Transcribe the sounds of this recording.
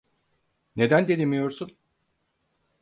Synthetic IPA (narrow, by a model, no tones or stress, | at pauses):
ne̞d̪ænd̪ed̪imijo̞ɾsun